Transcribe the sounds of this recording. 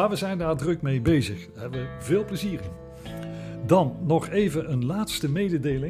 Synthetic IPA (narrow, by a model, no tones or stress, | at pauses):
aːɹʋəzɛjndaːɹdrɵkmejbejzəχ | ɦɛbəʋəvɪːlˠpləziːrɪn | dɑnːɔχejvənʔənlaːtstəmejdədejlɪ